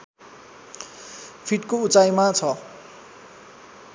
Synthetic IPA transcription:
pʰiʈkout͡sajmat͡sʰʌ

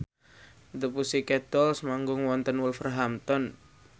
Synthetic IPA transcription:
t̪əpusikɛd̪̥ɔlsmaŋɡʊŋwɔnt̪ənwʊlfərɦamt̪ɔn

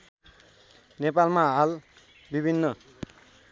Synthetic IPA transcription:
nepalmaɦal | bibʱinːʌ

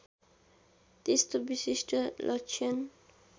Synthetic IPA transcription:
t̪est̪obisisʈʌlʔʌt͡ʃʰʌn

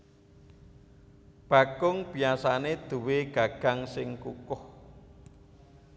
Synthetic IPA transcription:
b̥a̤ɡʊŋb̥iasaned̪̥uweɡ̥a̤ɡ̥a̤ŋsɪŋkukʊh

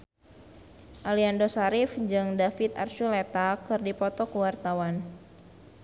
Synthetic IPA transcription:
ʔaliandosaɾifd͡ʒɨŋdafit̪a̰rʃulet̪akɨrdipɔt̪ɔkəwart̪awan

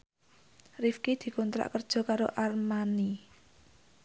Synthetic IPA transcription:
rifkid̪̥i̤kɔnt̪ɾa̰ʔkərd̥ʒ̥ɔ̤kaɾoʔarmani

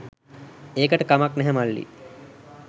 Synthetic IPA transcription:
eːkəʈəkamaknɛɦɛmalːḭ

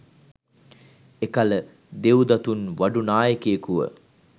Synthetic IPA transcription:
ekalə | d̪euwd̪ɐt̪unʋaɖunaːjəkeːkuʋə̰

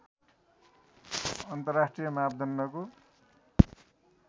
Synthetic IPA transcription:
ʌnt̪ʌrːasʈrijʌmabd̪ʱʌnːʌko

